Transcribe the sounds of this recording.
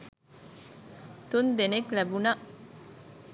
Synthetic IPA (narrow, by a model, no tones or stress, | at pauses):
t̪und̪eneklæbuna